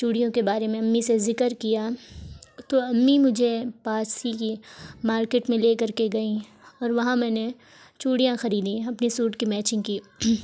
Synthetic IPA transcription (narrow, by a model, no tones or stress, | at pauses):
t͡ʃuːɽijõkebaːɾemẽɐmːisezɪkəɾkija | t̪oɐmːimʊd͡ʒʱepaːsikimaːɾkeːʈmẽleːkɐɾkeɡɐĩ | ɔːɾʋɐɦãmɛ̃ːne | t͡ʃuːɽijãxɐɾiːd̪ĩɐpnisuːʈkimɛːt͡ʃɪ̃ŋɡkiː